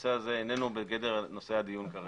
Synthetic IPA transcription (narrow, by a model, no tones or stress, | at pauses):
seazeːne̞nubeɡedeʁno̞sehad̪ijunkaʁ